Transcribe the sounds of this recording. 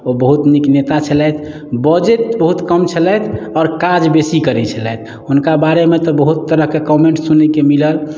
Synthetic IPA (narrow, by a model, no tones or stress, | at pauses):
obəɦut̪niknet̪at͡ʃʰəlɛt̪ʰ | bəd͡ʒeʈ̚bəɦut̪kəmt͡ʃʰəlɛt̪ʰɔːɾkad͡ʒbesikəɾɛt͡ʃʰəlɛt̪ʰ | unkabaɾemet̪ɔbəɦut̪ːəɾəɦkekɔmẽɳʈsunekemiləl